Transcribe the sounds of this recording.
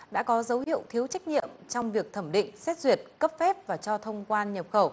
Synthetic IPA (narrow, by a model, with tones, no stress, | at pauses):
ɗa̰ː˧˥kɔ˨˦zə˨˦whḭ˧˨əwt̪ʰi˨˦əwt͡ɕa˦˥jk̟̚ɲḭ˧˨əmt͡ɕɔ˧wŋ͡mvi˨˩ək̚t̪ʰə˧˩mɗḭ̈˧˨ŋ̟sɛ˦˥t̚zwi˨˩ət̚kə˦˥p̚fɛ˦˥p̚vaː˨˩t͡ɕɔ˧t̪ʰə˧wŋ͡mkwaː˧nɲə˨˩p̚xə˧˩w